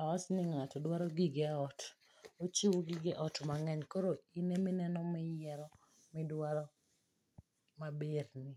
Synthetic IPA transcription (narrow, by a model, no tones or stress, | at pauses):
aɔsnɪŋatɔdwaɾɔɡiɡɛɔt | ot͡ʃiwoɡiɡɛʔɔtmaŋɛɲkoɾoinemɪnɛnɔmɪjɛɾɔ | mɪdwaɾɔ | mabeɾnɪ